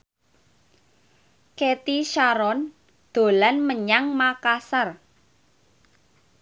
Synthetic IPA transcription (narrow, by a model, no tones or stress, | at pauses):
ket̪iʃaɾɔn | d̪̥o̤lanməɲaŋmakasər